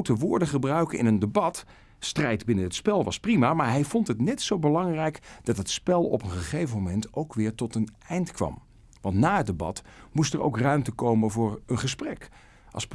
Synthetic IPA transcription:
təʋʊːɹdəχəbrœɥkəɪ̰nəndəbɑt | strɛjdbɪnəɦətspɛlˠʋɑsprimaːmaːɹɦɛjvɔntɦətnɛtsowbəlɑŋrɛjkd̥ɑtɦətspɛlˠɔ̰pənχəχejvəmomɛntowkʋɪːɹtɔtən | ɛjntkʋɑ̰m | ʋɑntnaːɦət̚dəbɑ̰tmustəɹo̰wkrœɥmtəkowmənvʊːɹənχəsprɛk | ʔɑ̰lˠsp

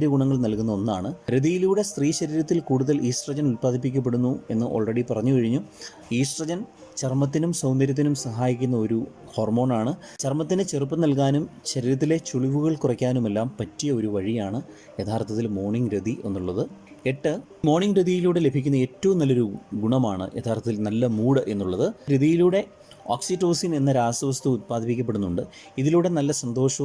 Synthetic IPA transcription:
ɾuɡuɳɐŋːɐɭnɐlkunːɐo̞nːaːɳɨɾed̪ijiluːɽe̞st̪riːɕɐɾiɾɐt̪ːilkuːɽuðɐliːsʈrɐd͡ʑɐnulpaːd̪ipːikʲːɐp̬ːe̞ɽunːue̞̰nːɨʔo̞ːɭreɽipɐrɐɲːukɐɻiɲːu | iːʂʈrɐd͡ʑɐn | t͡ɕɐrmɐt̪̬ːinumsɐwnd̪ɐɾjɐt̪̬ːinumsɐɦaːjikʲːunːɐo̞ɾu | ho̞ːrmo̞ːnaːɳɨt͡ɕɐrmɐt̪ːinet͡ɕe̞rup̬ːɐnɐlkaːnumɕɐɾiɾɐt̪̬ːile̞t͡ɕuɭiʋuɣɐɭkurɐkʲːaːnume̞lːaːmpɐtːijɐo̞ɾuʋɐɻijaːɳɨ | et̪ʰaːrt̪ʰːɐt̪ːilmo̞ːrɳiŋɡɾid̪ʱiʔe̞nːuɭːɐðɨ | eʈːɨ | mo̞ːɳiŋɡɾid̪ʱijiluːɽe̞le̞bʱikʲːunːɐe̞ːtːɐʋumnɐlːoɾuɡuɳɐmaːɳɨ̰ʔet̪ʰːaːrt̪ʰɐt̪ilnɐlːɐmuːɽɐʔe̞nːuɭːɐðɨɾiðijiluːɽe̞ | oːksitːo̞ːsine̞nːɐɾaːsɐʋɐst̪uːt̪̚paːd̪ʱipikʲːɐpːe̞ɽunːuɳɖɨ | iðiluːɽe̞nɐlːɐsɐnd̪o̞ːʂɐ

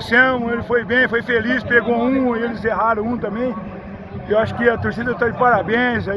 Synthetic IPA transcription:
sɐ̃mʊ̃elɪfojbẽj̃fojfelispeɡoũelɪzeɦaɾɐ̃w̃ũt̪ɐ̃mbẽj̃ | ewaʃʊ̥kɪɐt̪oɾsid̪ɐt̪ad͡ʒɪpaɾabẽza

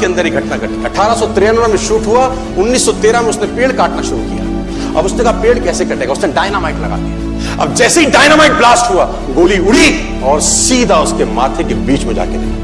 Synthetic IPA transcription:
eɐ̃nd̪əɾiɡʱɐʈnakɐʈ̪iɐʈʰaːɾasɔt̪ɾeənʋamẽʃuːʈɦua | ʊnːiːsːɔt̪eːɾãmẽʊsnepeːɽkaːʈnaʃʊɾukija̰ː | ɐbʊsnẽkapeːɽkɛːsekɐʈeːɡaʊsneɖaːɪnaːmaːɪklɐ̰ɡa̰ːt̪i | ɐ̰b̚d͡ʒɛːseiɖaːɪnaːmaːɪk̚blaːsʈɦua | ɡoːliʊɽ̤i | ɔːɾsiːd̪ʱaʊskema̰ːt̪ʰekebiːt͡ʃmẽd͡ʒa̰ːked̪ḛaː

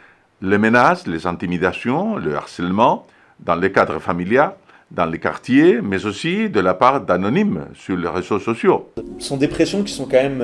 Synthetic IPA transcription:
lemenaslezɑ̃t̪imid̪asjɔ̃ləa̰ʁsɛlmɑ̃ | d̪ɑ̃ləkad̪ʁəfamiljaʁ | d̪ɑ̃leka̰ʁt̪jemezosid̪əlapaʁd̪anonimsyʁleʁezososjosɔ̃d̪epχesjɔ̃kʲi̥sɔ̃kɑ̃mɛm

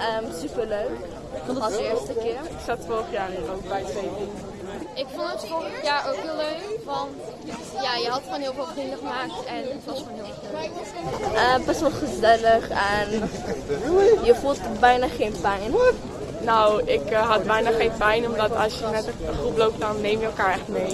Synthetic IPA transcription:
ʔəːmsypərløɥk | ɪstəkɪərɪksɑtfoɾəχjaːrniːɾowk̚bɛjtʋejtin | ɪkfɔntətfoɾəχjaːrʔoːkɦɪːlˠløkʋɑnt | jaːjəɦɑtχoːnɦiəlˠfɪːlˠpiŋəχəmaːk̚tɛnɪflˠoiɪ | ɛ | əːbɛsʋɔlˠχəzɛləχɛn | jəfuːlˠtbɛjnaχeːnpɛjn | nowɪkɦɑt̚bɛjnaχeːnpɛjnɔmdɑtɑ̰sjəmɛtəəχruplowp̚t̚dɑnːejmjəɛlˠkaːɹɛχtmej

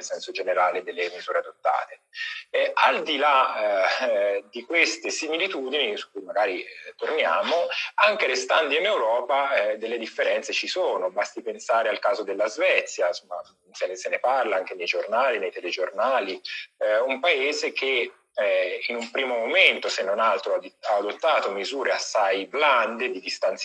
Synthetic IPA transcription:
elsɛnsod͡ʒeneɾaːled̪elːemizuːɾead̪ot̪ːa̰ːt̪e | ald̪ila | d̪ikwest̪esimilit̪uːd̪inisu̥kːujmaɡaːɾit̪ornja̰ːmoaŋkelest̪and̪iinewɾɔːpad̪elːed̪ifːeɾɛnt̪set͡ʃisoːnobast̪ipensaːɾealkaːzod̪elːazvɛt̪sːjansomːa̰ | seneseneparlaaŋk̟enejd͡ʒornaːlinejt̪ɛled͡ʒornaːli | umpaeːzek̟e | inumpɾiːmomoment̪osenːonalt̪ɾoaaːd̪ot̪ːaːt̪omizuːɾeasːajbland̪ed̪id̪ist̪ant̪s

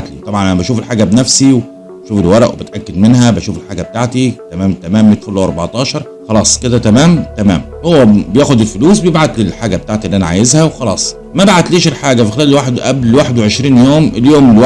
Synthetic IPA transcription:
t̪lit̪ˤɑbʕɑnʔænæbæʃuːfelħaːɡæbnæfsiw | æʃuːfelwɑɾˤɑʔwḛbet̪ʔækːæd̪menhæbæʃuːfelħaːɡæbet̪aʕt̪it̪æmæːmt̪æmæːmbjet̪folːoʔɑɾˤbɑʕt̪ˤɑːʃɑɾˤ | xɑlɑːsˤked̪æt̪æmæːmt̪æmæ̰ːm | howːæbejæːxod̪elfoluːsbejebʕat̪lelħaːɡæbet̪aːʕt̪iʔlːiʔænaʕa̰jezhæwexɑlɑ̰ːsˤ | mæbaʕat̪liːʃelħaːɡæfixelæːlelwaːħed̪ʔæblwaːħed̪weʕeʃɾiːnjoːmeljoːmlw

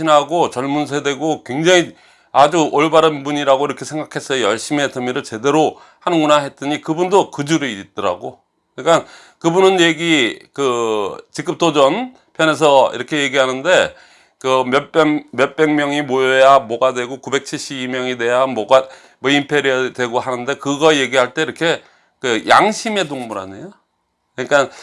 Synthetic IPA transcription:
inɦaɡot͡ɕʌɭmunsʰede̞ɡokwe̞ŋd͡ʑaŋi | ad͡ʑuʔoɭbaɾɯnbuɲiɾaɡoiɾʌkʰe̞sʰe̞ŋɡakʰe̞s͈ʌjojʌɭɕ͈ime̞tɯmiɾɯɭt͡ɕe̞de̞ɾo | hanɯnɡunaɦe̞t̚t͈ɯɲikɯbundokɯd͡ʑuɾit̚t͈ʌɾa̰ɡo | kɯɲik͈an | kɯbunɯnje̞ɡikɯt͡ɕik͈ɯp̚t͈od͡ʑʌn | pʰjʌne̞s̬ʰʌḭɾʌkʰe̞je̞ɡiɦanɯnde̞ | kɯmjʌp͈ʌŋmjʌp͈e̞ŋmjʌŋimojʌjamwʌɡadwe̞ɡokube̞k̚t͡ɕʰiɭɕ͈ibimjʌŋide̞jamwʌɡa | mʌimpʰe̞ɾiadwe̞ɡoɦanɯnde̞kɯɡʌje̞ɡiɦaɭt͈e̞iɾʌkʰe̞ | kɯjʔaŋɕʰime̞doŋmuɾa̰nejo | kɯɲik͈an

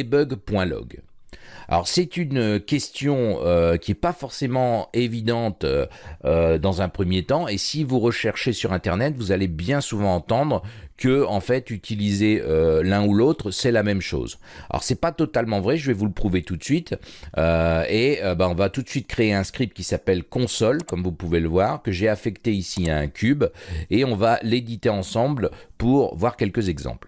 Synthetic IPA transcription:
bœɡpwɛ̃lɔ̰ɡ | a̰lɔ̰ʁsɛt̪ynøkʲɛst̪jɔ̃økʲiɛpafɔʁsemɑ̃evid̪ɑ̃t̪øød̪ɑ̃zɛ̃pχəmjet̪ɑ̃esivuʁəʃɛʁʃesyʁɛ̃t̪ɛʁnɛt̪vuzalebjɛ̃suvɑ̃ːt̪ɑ̃d̪ʁkəɑ̃fɛt̪yt̪ʰilizeølɛ̃ulot̪χsɛlamɛmʃo̰ːz | a̰ɔ̰ʁsɛpat̪ɔt̪almɑ̃vʁɛʒəvɛvuləpχuvet̪ut̪sɥit̪øeøbaɔ̃vat̪ut̪sɥit̪̚kχeːɛ̃skχip̚t̪̚kʲisapɛlkɔ̃sɔlkɔmvupuveləvwaʁkəʒeafɛkt̪eisiaɛ̃kʲʰybeɔ̃valed̪it̪eɑ̃sɑ̃blpuʁvwaʁkʲɛlkəzɛɡzɑ̰̃pl

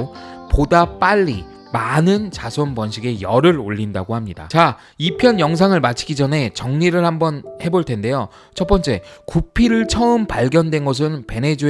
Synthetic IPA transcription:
podap͈aʎːi | manɯnt͡ɕasʰonpʌnɕ̬ʰiɡe̞jʌɾɯɾoʎːinda̰ɡohamɲida̰t͡ɕa | ipʰjʌnjʌŋs̬ʰaŋɯɭmat͡ɕʰi̥ɡid͡ʑʌnɦe̞t͡ɕʌŋɲiɾɯɭhambʌnhe̞boɭtʰe̞nde̞jo | t͡ɕʰʌp͈ʌnt͡ɕ͈e̞kupʰiɾɯɭt͡ɕʰʌɯmpaɭɡjʌndwe̞nɡʌs̬ʰɯnpe̞ne̞d͡ʑu

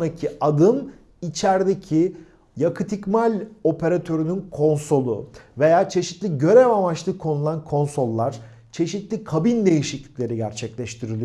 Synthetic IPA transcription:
ɾacʰiad̪ɯm | it͡ʃʰæɾd̪ecʰi | jakʰɯt̪ʰicmalʲo̞pʰe̞ɾat̪ʰø̞ɾynynkʰo̞nso̞lˠṵve̞jaːt͡ʃʰe̞ʃit̪lʲiɟø̞ɾɛvamat͡ʃlˠɯkʰo̞nulˠankʰo̞nso̞lˠːaɾ̥ | t͡ʃʰe̞ʃit̪lʲikʰabind̪e̞jiʃic̪lʲi̥cʲlʲe̞ɾiɟæɾt͡ʃʰɛclʲɛʃt̪ʰiɾilʲi

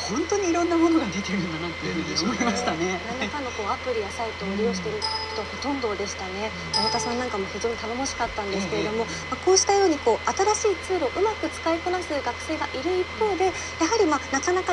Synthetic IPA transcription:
hõ̞nt̪o̞ɲ̟iːɾõ̞nːamo̞noɡad̪e̞t̪eɾɯ̟nɡanat̪ːejɯ̟hɯ̟ɲʲiaimaɕi̥t̪anenãnːakano̞ko̞ːapɯ̟ɾʲijasait̪oːɾʲijo̞ːɕi̥t̪e̞ɾɯ̟kʰo̞t̪o̞aho̞t̪õ̞nd̪o̞d̪e̞ɕi̥t̪ane̞ | maβat̪asãnːãŋkamo̞çid͡ʑo̞ːɲit̪anomoɕi̥kat̪ːãnd̪eɨ̥kee̞d̪o̞mo̞ | mako̞ːɕi̥t̪ajo̞ːɲ̟iko̞ːʔat̪aɾaɕiːt͡sɨːɾo̞ʔɯ̟makɯ̟t͡sɨ̥kaikonasɨɡakɯ̟̥se̞ːɡaʔiɾɯ̟ipːo̞ːd̪e̞ | jaɦaɾʲimanakanaka

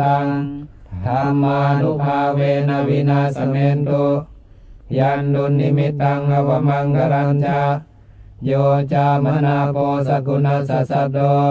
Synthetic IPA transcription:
aŋ | hamanuɦawɛnawinasamɛnt̪u | jandunːimit̪aŋɡawamaŋɡaɾaɲt͡ʃa | d͡ʒɔt͡ʃamanapɔsakunasasadɔ

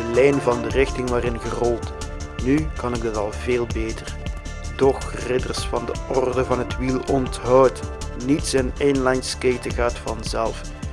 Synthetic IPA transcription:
əlɛjnvɑndərɪxtɪŋʋaːrɪnɣərɔlˠtnykɑnɪɡ̚dɑtɑlˠveːlˠbeːtər | d̥ɔxrɪdərsfɑndəɔrdəvɑnɦətʋilˠɔntɦɔwtnitsɛneːnlɑjnskeːtəɣaːtfɑnzɛlˠf

